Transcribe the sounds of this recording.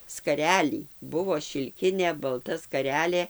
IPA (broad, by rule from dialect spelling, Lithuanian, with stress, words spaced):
skɐˈrʲæːlʲiː ˈbʊʋoː ʃʲɪlʲˈkʲɪnʲeː bɐlˠˈtɐ skɐˈrʲæːlʲeː